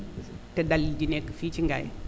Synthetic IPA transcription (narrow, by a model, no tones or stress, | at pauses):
tədalid͡ʒinekəfit͡ʃiŋɡa̰j̰